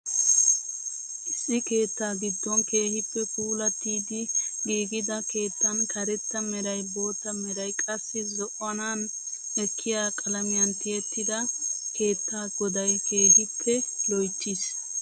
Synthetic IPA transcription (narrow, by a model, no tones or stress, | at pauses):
ʔɪsːɪke̞ːt̪ːaːɡɪd̪ːɔnke̞ːhɪpːɛkuːlɐt̪ːiːd̪ɪɡiːɡɪd̪ɐke̞ːt̪ːɐnkʰɐɾɛt̪ːɐmɛɾɐjbo̞ːt̪ːɐmɛɾɐjkʼɐsːɪzɔʔɔnan | ɛkʰːɪjaːkʼɐlɐmɪjɐnt̪ɪjɛt̪ːɪd̪ɐke̞ːt̪ːaːɡɔd̪ɐjkʰe̞ːhɪpʰːɛlɔjtːɪs